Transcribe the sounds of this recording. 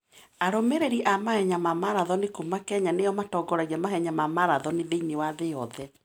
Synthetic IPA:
aɾomeɾeɾiʔamahɛɲamamaɾaðɔnekomakɛɲaneɔmatɔɡɔɾaɣiɛmaɦɛɲamamaɾaðɔneðeinewaðeɔðɛ

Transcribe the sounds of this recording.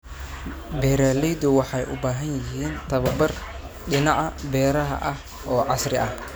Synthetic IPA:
bɛɾaːlɛjd̪ʊwɑħɑjʔʊ̰baːɦɐnjɪɦiːnt̪ʰɐβɐbɐr | ɗɪnɑʕɑbɛːɾɐɦɐ̰ʔɐh | ɔːʕɑsrɪʔɐh

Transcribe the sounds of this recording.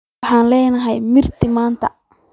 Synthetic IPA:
ħɑːnlɛːnɐɦɛjmɪrt̪ʰɪmaːnt̪ʰɐ̰

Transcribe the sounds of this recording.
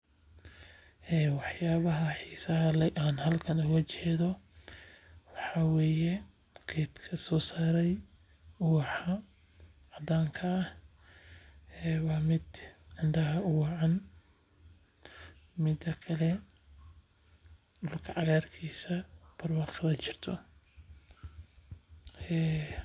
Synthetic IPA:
ʔɛːwɑħjaːβɐɦɐħiːsɐɦɐlɛʔaːnhɐlkʰɐnʊɣɐt͡ʃʰɛːðɔ | wɑħɑwɛːjɛ | kʰɛːt̪kʰɐsɔːsaːɾɛj | ʊwɑħɐ | ʕɑd̪aːŋkʰɐːh | ɛːwɑːmɪd̪ʕɪnd̪ɐɦɐʊwɑʕɑn | mɪd̪ɐkʰɐlɛ | ʊlkʰɐʕɑɣaːrkʰiːsɐb̥ʰɐrwɑqɐlɐt͡ʃɪrt̪ʰɔ | ɛː

